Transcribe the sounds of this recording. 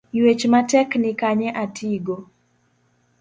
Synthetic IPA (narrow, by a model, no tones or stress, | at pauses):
jwet͡ʃmatɛknɪkaɲɛʔatʰiɡo